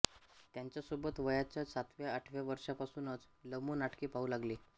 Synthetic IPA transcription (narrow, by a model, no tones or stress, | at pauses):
t̪jaɲt͡ɕjasobət̪ʋəjat͡ɕjasat̪ʋjaəʈʰʋjaʋəɾʂapasuːnət͡s | ləmuːnaʈʰkiːpauːlaɡliː